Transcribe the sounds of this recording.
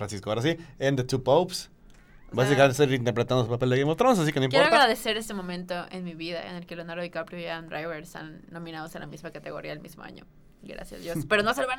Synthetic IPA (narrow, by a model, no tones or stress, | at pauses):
fɾansiskoaoɾas̬iend̪et̪upowps | basikamẽneseɾint̪eɾpɾet̪and̪osupaped̪eejmot̪ɾons̬asikenoimjeoɾoaɣɾaðe̞se̞ɾest̪emõ̞mẽnt̪oʔḛnmiβiða̰ḛne̞lkelonaɾoikapɾjojand̪ɾajβeɾest̪a̰nːo̞mĩnað̞osela̰mizmakat̪eɣo̞ɾiaðelmizmo̰a̰ɲo̰ | ɡɾa̰sja̰zðjosspe̞ɾonoseloβan